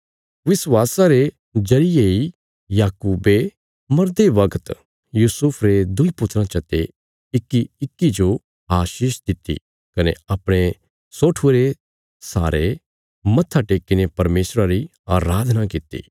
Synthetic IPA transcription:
ʋɪswaːsaɾe | d͡ʒɐɾɪjei | jaːkuːbe | mɐɾd̪eʋɐkʰət̪ | juːsʊpʰɾed̪ʊipʊt̪ːɾãt͡ʃɐt̪e | ɪkːiɪkːid͡ʒo | aːʃiːʃd̪ɪt̪ːḭ | kɐneɐpɽ̃e | soːʈʰuɾe | sa̰ːɾe | mɐt̪ʰːaʈeːkːɪnepɐɾmeːsɾãɾi | aːɾaːd̪ʱnakɪt̪ːḭː

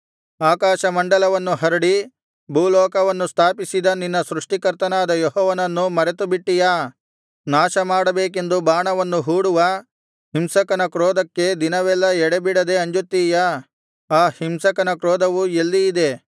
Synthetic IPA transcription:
aːkaːʃɐmɐɳɖɐlɐʋɐnːuɦɐɾuɽi | bʱuːlɔːkɐʋɐnːust̪ʰaːpisid̪ɐninːɐsɾuʂʈikɐɾt̪ɐnaːd̪ɐjɔɦɔːʋɐnɐnːumɐɾet̪ubiʈːija | naːʃɐmaːɽɐbeːk̬e̞nd̪ubaːɳɐʋɐnːuɦuːɽuʋɐ | himsɐkɐnɐkɾɔːd̪ɐkːe̞d̪inɐʋɛlːɐɛɽebiɽɐd̪e̞ɐɲd͡ʒut̪ːiːjɐ | aːhimsɐkɐnɐkɾɔːd̪ɐʋuelːiːd̪e̞

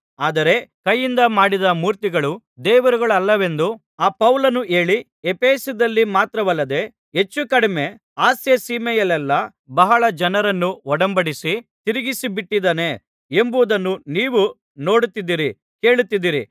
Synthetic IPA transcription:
aːd̪ɐɾe̞kɐjːind̪ɐmaːɽid̪ɐmuːɾt̪iɡɐɭu | d̪ɛːʋɐɾuɡɐɭɐlːɐʋe̞nd̪u | aːpɐʋlɐnuʔe̞ːɭi | epʰeːsud̪ɐlːimaːt̪ɾɐʋɐlːɐd̪e̞ | ɦe̞t͡ʃːukɐɽime̞ | aːsjesiːmɛjɐlɛlːɐ | bɐɦɐɭɐd͡ʒɐnɐɾɐnːuɔɽɐmbɐɽisit̪iɾiɡisibiʈːid̪ɐne | e̞mbud̪ɐnːuniːʋu | no̞ːɽut̪ːid̪iɾi | ke̞ːɭut̪ːid̪iɾi

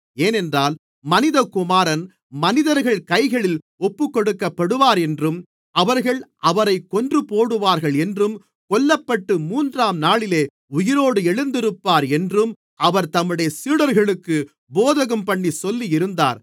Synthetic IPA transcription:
eːnɛndraːl | mɐnɪðɐkʊmaːɾɐn | mɐnɪðɐɾɣɐɭkɐɪɣɐɭɪl | ɔpːɯkːɔɽɯkːɐpːɐɽɯʋaːɾɛndrɯm | ɐʋɐɾɣɐɭʔɐʋɐɾɐɪkːɔndrɯpoːɽɯʋaːɾɣɐɭɛndrɯm | kɔlːɐpːɐʈːɯmuːndraːmnaːɭɪleː | ʊjɪɾoːɽɯɛɻɯnd̪ɪɾɯpːaːɾɛndrɯm | ʔɐʋɐɾt̪ɐmːɯɽɐjɐsiːɽɐɾɣɐɭɯkːɯ | boːðɐɣɐmpɐɳːisɔlːiɪɾɯnd̪a̰ːɾ

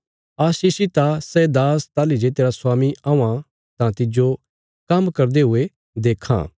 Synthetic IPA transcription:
aːʃiːʃit̪asɛd̪aːst̪aːlid͡ʒet̪eːɾaswaːmiãã | t̪ãt̪ɪd͡ʒo | kɐmkɐɾd̪eɦʊe | d̪eːkʰã̰

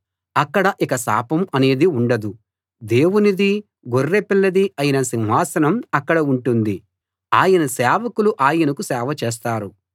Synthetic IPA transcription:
ɐkːɐɽɐʔikɐsa̰ːpɐmɐne̞ːd̪iuɳɖɐd̪u | d̪e̞ːwunid̪i | ɡorːepilːɐd̪iɐjɐnɐsinɦaːsɐnɐmɐkːɐɽɐuɳʈund̪i | aːjɐnɐsɛːʋɐkuluʔaːjɐnɐkusɛːʋɐt͡ʃeːs̬t̪aːɾu

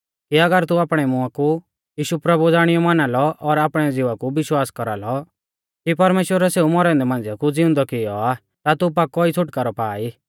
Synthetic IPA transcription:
kiɐɡəɾt̪uaːpɽ̃ɛmʊaku | jiːʃupɾɐbud͡zaːɽ̃ɪjɔmanalɔʔɔɾaːpɽ̃ɛd͡zɪʋakubɪʃwaːskɔɾa̰lɔ | kipɐɾmeːʃwəɾɛseumɔɾɛ̃nd̪ɛmãnd͡zjakud͡zɪ̃ʊ̃nd̪ɔkɪjɔ̰a | t̪at̪up̬akːɔit͡sʰʊʈkaɾɔpa̰ːi

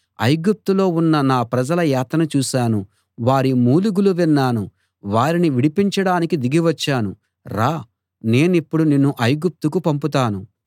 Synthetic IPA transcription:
ɐ̰jɡup̚t̪ulo̞ːunːɐnaːpɾɐd͡ʒɐlɐjaːt̪ɐnɐt͡ʃuːʃaːnu | ʋaːɾimuːluɡuluʋinːaːnu | ʋaːɾiniʋiɽipiɲt͡ʃɐɽaːnikid̪iɡiʋɐt͡ʃːaːnṵ | ɾaː | ne̞ːnipːuɽunenːuʔɐjɡup̚t̪ukupɐmput̪̬aːnu

